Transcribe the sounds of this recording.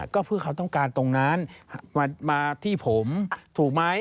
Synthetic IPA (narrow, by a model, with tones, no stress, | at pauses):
kɔː˥˩pʰɯ˥˩ɐkʰa˦˥wt̪ɔ˥˩ŋkaː˧nt̪o˧ŋnaː˦˥nhmaː˧maː˧t̪ʰiː˥˩pʰo˩˦mt̪ʰuː˨˩k̚ma˦˥j